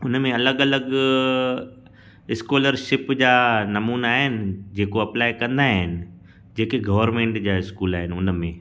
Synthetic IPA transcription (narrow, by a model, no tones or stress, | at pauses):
ʊnmẽɐləɡɐləɡ | ɪskoːləɾʃɪpd͡ʑaːnɐmuːnaːɦɪnɪ̆d͡ʑeːkoɐplaːɪkɐ̃nd̪aɦɪnɪ̆ | d͡ʑeːkeɡɐʋəɾmẽːɳʈd͡ʑaːɪskuːlaːɦɪnɪʊnmẽ